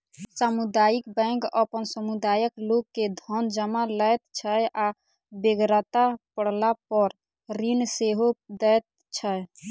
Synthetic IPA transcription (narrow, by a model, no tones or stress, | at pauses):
samud̪ajikbə̃ŋkəpənsəmud̪ajəkloɡkːed̪ʱɔnd͡ʒəmaləjt̪̚t͡ʃʰəjʔa | beɡɾət̪apəɽ̤lapəɾ | ɾinseɦod̪ət̪̚ | t͡ʃʰəj